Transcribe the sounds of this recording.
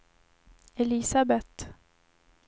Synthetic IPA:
ɛlisabɛt̪

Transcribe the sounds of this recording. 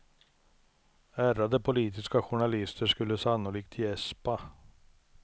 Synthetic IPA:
æːɾad̪əpʰʊliːt̪ɪskaɧʊɳalɪst̪əʂkɵlːəsanːʊlɪk̚t̪ʰjɛspa

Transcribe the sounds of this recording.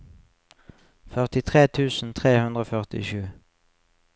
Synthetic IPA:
fœʁt̪ɪt̪ʰʁeːt̪ʰʉːsn̩t̪ʰʁeːhʉnd̪ʁoːfœʁt̪ɪ̰ʃʉː

